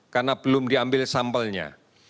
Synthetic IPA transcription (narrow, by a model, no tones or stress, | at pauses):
karnab̥əlʊmdiambɪlsampəlɲa̰